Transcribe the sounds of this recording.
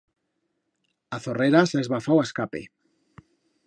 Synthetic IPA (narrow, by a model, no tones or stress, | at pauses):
aθoreɾasaezβafawaskapḛ